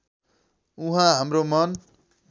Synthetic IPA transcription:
uɦãɦamromʌn

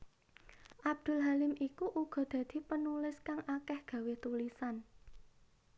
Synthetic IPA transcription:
ʔab̚d̪̥ʊ̤lɦalɪmʔikuʔuɡ̥ɔ̤d̪̥ä̤d̪̥i̤pənulɪskaŋʔakɛhɡ̥ä̤weht̪ulisan

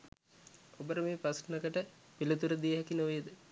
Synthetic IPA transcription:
obəɾəmeːpɐsnɐkəʈəpilət̪uɾəd̪ijəɦɛkinoʋejəd̪ə

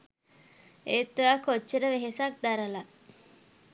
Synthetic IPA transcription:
eːt̪ːuakot͡ʃːeɾəʋeɦesak̚d̪aɾəla

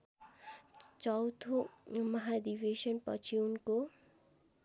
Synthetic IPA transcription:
t͡ʃʌwt̪ʰomʌɦad̪ibeʃʌnpʌ̰t͡ʃʰiunko

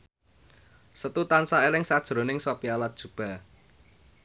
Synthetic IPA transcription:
sət̪ut̪ansaelɪŋsad̥ʒ̥ɾo̤nɪŋsopialat̪̚ʒ̥ṳb̥a̤

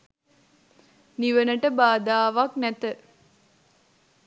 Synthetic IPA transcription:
niʋənəʈəbaːd̪aːʋaknæt̪ə

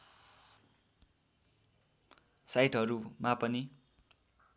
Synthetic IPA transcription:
sajʈɦʌɾumapʌni

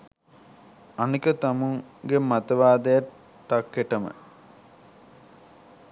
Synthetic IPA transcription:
anikət̪amuŋɡemat̪əʋaːd̪ɐjaː | akːeʈəmə̰

